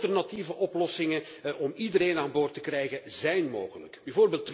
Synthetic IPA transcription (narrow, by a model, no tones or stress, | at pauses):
tɛrnativəʔɔplɔsɪŋə | ʔɔmidəɾeːnaːnboːrtəkrɛjɣəzɛjnmoːɣələkbɛjvoːrbeːlˠtː